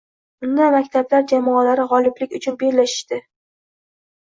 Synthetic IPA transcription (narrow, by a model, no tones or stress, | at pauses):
ʊnd̪amakʲt̪ʰablaɾd͡ʒamɒalaɾɪʁɒlɪplɪkʲʊt͡ʃʰʊnbe̞ɾlaʃɪ̥ʃt̪ɪ